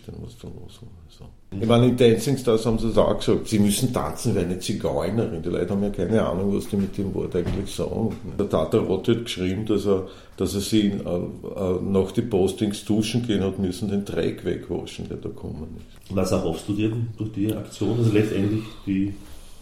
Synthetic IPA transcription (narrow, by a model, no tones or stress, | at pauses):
t̪enmʊ̰stulo̰shonɛso | ɪmanɪndɛnsɪŋst̪ashɑbm̩sidsa̰xksɑːk̚tsimysn̩t̪ʰa̰t͡sn̩ʋvɛɐɛnət͡siɡɔɪnəʁɪnd̥ilʔɔ̰ɪtəhɑm̩jɑkʰæɪnəa̰ːnʊŋvɑ̰sd̥iːmit̚d̥̪emvɔ̰ɐtæɪɡəŋ̩t̪lɪçsɑ̰ːɡŋndɐt̪ʰatɐʁɔthɑt̪kʃʁiːbm̩d̥ɑsə | d̥ɑsəɐsḭ | ənɑxd̥ipostɪŋsd̥uːʃn̩ɡeːnhɑtmysn̩d̥entʁɛ̰kʋɛ̰kʰːvɔ̰ʃn̩d̥eːɐd̥ɑːkʰɔ̰mənɪs | vasɛɐɦɔfstd̥uːdid̥ʊɐxd̥ia̰kt͡sjoːnazolɛt͡stɛntlɪçd̥iː